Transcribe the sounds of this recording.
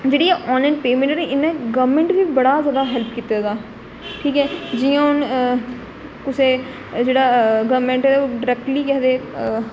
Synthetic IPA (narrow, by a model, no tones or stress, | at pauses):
d͡ʒeːɽiːɛːʔɔːnlaːnpeːmɛ̃ɳʈːneɪnɛ̃ːɡəʋmɛ̃ːɳʈʋiːbəɽaːzjaːd̪aːɦɛlpʰkiːt̪aːd̪aː | ʈʰiːkɦɛːd͡ʒɪjãːʊn | kʊsẽː | d͡ʒeːɽaːɡəːmẽːɳʈɛːoːɖɪɾɛːk̚ʈliːkɛːd̪eː